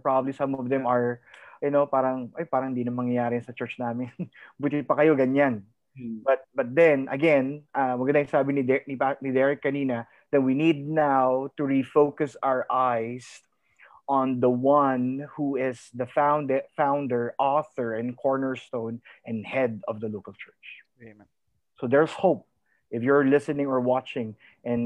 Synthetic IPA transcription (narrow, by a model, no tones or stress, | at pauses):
pɹabɐblisɐ̃mɔvd̪ɛ̃mɐɹjʊnopaːɾɐŋʔojpaːɾɐŋhɪnd̪iːnɐmɐŋjɐjaːɾɪnsɐt͡ʃɛ˞t͡ʃnamɪnbuːt̪ɪpɐkɐjoɡɐɲan | bɐt̪̚bɐt̪̚d̪ɛ̃nɐ̰ɡɛ̃nʔawɐɡɐnaɪ̃saːbɪnid̪ɛnipanid̪ɛɹɪkːɐniːnɐ | d̪̥ɛnwinid̪̚nawt̪ʊɹifoʊkɐsawəɹʔajs | ʔɔ̃nd̪əwʌ̃nhuɪsðɐfãwnd̪ɛfãw̃nd̪əɹʔɔθəɹɪ̃nkʰɔɹnəɹst̪õʊ̃nʔɛ̃nhɛd̪ɔvd̪ɐlokəlt͡ʃʰɛɹt͡ʃ | sod̪ɛɹshoʊp̚ | ʔɪfjɔɹlɪsɨnɪ̃ŋɔɹwɑt͡ʃɪ̃ŋ | ʔɛ̃n